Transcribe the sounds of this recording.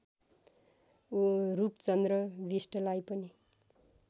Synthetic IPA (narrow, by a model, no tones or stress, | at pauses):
uɾupt͡sʌnd̪rʌbisʈʌlajpʌni